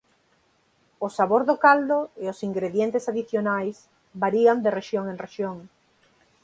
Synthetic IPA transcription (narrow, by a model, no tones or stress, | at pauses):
ʊsaβoɾðokald̪oeosiŋɡɾeðjent̪esaðiθjonajs | baɾiand̪ereʃjoŋẽŋreʃjoŋ